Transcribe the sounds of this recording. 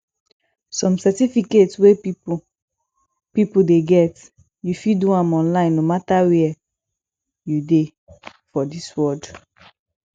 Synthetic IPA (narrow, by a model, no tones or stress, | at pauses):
sɔ̃msɛtifiketswe | pipudeɡɛt | jufiduãmɔ̃nlãɪ̃nːomatawɛ | jude | fɔdiswɔd